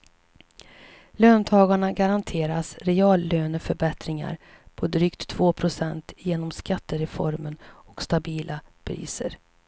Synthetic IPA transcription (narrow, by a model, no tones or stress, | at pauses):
løːnt̪ʰɑːɡaɳaɡaɾant̪ʰeːɾasɾɛɑːlːøːnəfœɾbɛt̪ɾɪŋa̰ɾ | pʰɔd̪ɾyːkt̪ʰːvoːpʰɾʊsɛnt̪jeːnɔmskat̪ːəɾɛfɔ̰ɾmənɔkst̪abiːlʔapʰɾḭːsə̰ɾ